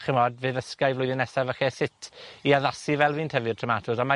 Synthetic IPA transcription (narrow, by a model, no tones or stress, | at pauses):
χɪmɔdvɨːðəskajvlʊjðɪnɛsavəxɛsɪtʰiaðasivɛlˠviːntʰɛvɨrtʰrəmatʰʊsama